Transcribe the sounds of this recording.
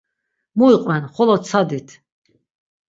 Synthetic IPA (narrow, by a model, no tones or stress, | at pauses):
muiqʼvɛnχɔlɔt͡sʰad̪it̪ʰ